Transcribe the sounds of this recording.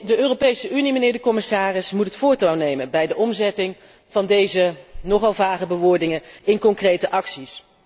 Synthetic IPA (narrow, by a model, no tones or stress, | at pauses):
dəøːropejsəʔynimənɪːɹdəkɔmɪsaːrɪsmutətfʊːɹtawnejmənbɛjdəʔɔmzɛtɪŋ | v̥ɑndejzənɔχɑlˠvaːχəbəʋʊːɹdɪŋənɪnkɔŋkrejtəʔɑksis